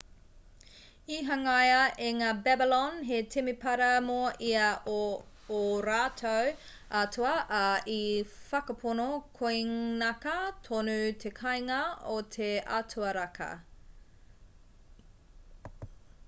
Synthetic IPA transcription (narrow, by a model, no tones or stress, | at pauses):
iɦɐŋɐjɐʔeŋaːbɛbilɔnɦetʰimipɐɾɐmoɐʔiɐː | ɾaːtʰow | ɐtʰuɐʔɐifɐkɐpʰonokʰojnɐkɐtʰonʉt̪ʰekʰɐjŋɐot̪ʰeʔɐ̰tʰuɐɾɐkʰɐ̰